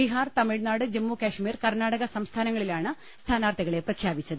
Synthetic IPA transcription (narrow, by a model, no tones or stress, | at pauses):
iɦaːrt̪ɐmiɻnaːɽɨd͡ʑemːukaːɕmiːrkɐrnaːɽɐɣɐsɐmst̪ʰaːnɐŋːɐɭilaːɳɨ | st̪ʰaːnaːrt̪ʰɐɣɐɭeprɐkʰjaːbit͡ɕːɐðɨ